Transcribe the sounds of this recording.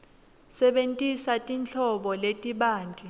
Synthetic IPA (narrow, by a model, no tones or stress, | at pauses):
sɛɓentʼisatʼint͡ɬʰɔɓɔletʼiɓaːntʼi